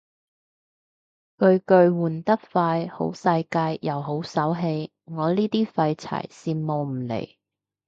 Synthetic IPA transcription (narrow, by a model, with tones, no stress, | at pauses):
kɵ˧ɥkɵ˧ɥwuː˨˩nt̪ɐ˥k̚faː˧jho̰˨˥wsɐ˧jkaː˧jjɐ˨˩wɦo˨˥wsɐ˨˥wɦe˧j | ŋɔː˨˧liː˥t̪iː˥fɐ˧jt͡sʰɐ̰˨˩jsiː˨˧nmo˨wm̩˨˩lḛ˨˩j